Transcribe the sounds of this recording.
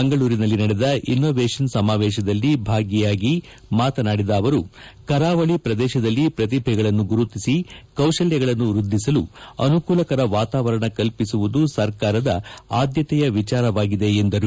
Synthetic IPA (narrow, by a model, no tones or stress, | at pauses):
eŋɡɐɭuːɾinɐlːinɐɽed̪ɐʔinːoːʋeːʂɐnsɐmaːʋɛːʃɐd̪ɐlːibʱaːɡjɛjaːɡi | maːt̪ɐnaːɽid̪ɐːʋɐɾukɐɾaːʋɐɭipɾɐd̪ɛːʃɐd̪ɐlːipɾɐt̪ibʱɛɡɐɭɐnːuɡuɾut̪isikɐwʂɐljɐɡɐɭɐnːuɾud̪ʱːisɐluɐ̰nukuːlɐkɐɾɐʋaːt̪aːʋɐɾɐɳɐkɐlpisuʋud̪usɐɾkaːɾɐd̪ɐaːd̪jɐt̪ɛjɐʋit͡ʃaːɾɐʋaːɡid̪e̞ːnd̪ɐɾu